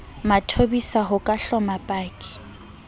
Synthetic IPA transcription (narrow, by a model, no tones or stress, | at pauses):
matʰobisaɦʊkʼaɬɔmapʼaːkʼi̥